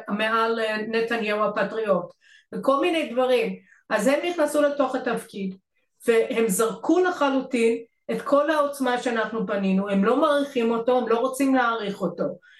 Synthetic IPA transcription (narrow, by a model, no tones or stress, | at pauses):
ameɦalne̞tanjeuapatʁio̞t | veko̞lminejdvaʁim | ʔazhe̞mniχnasule̞to̞χatafkid | vehe̞mzaʁkʰulaχalutin | e̞tkʰo̞lhao̞t͡smaʃeanaχnubaninuhe̞mlo̞maʁiχimo̞to̞hemlo̞ʁot͡simleaʁiχo̞to̞